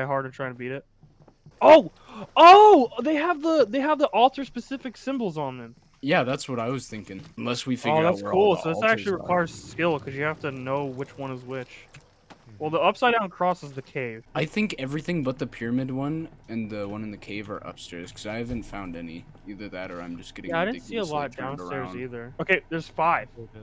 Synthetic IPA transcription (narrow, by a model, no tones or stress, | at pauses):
ɪɦɑɹdɨtʰɹ̥aɪɪ̃ŋtʰɨbiɾɪt̚ | oʊ | oʊðeɪəvðiðeɪəvðiʔɔlˠθə˞spɨsɪfɨksɪ̃mbl̩ˠzn̩ðɨ̃m | jæðætswʌɾaɪwʌz̥θɪ̃ŋkɪ̃ŋə̃nlɛswifɪɡoðæskʰulˠsoʊðɪsæk̚t͡ʃʉl̩ˠiɹɨkʰw̥aɪə˞z̥skɪlˠkʰʌzjɨhæftɨnoʊwɨt͡ʃwʌ̃nɨzwɪt͡ʃ | wɛlˠðiʌpsaɪdãʊ̃nkʰɹ̥ɔsəzðɨkʰeɪv̥aɪθɪ̃ŋkɛvɹiθɪ̃ŋbʌt̪̚ðɨpʰɪɹɨmɪd̚wʌ̃nɨ̃nðɨwʌ̃nɨ̃nðɨkʰeɪvə̰˞ʔʌ̰pstɛɹz̥kʰʌzaɪhævɨ̃n̩tfãʊ̃ndɛnḭ | iðə˞ðɨɾə̰˞ã̰ɪ̃md͡ʒʌsɡ̥ɛɾɪ̃jæaɪɾɪdn̩siəlɔt̚dd̥ãʊ̃nstɛɹzziðə˞oʊkʰeɪðə˞z̥faɪv̥okɨ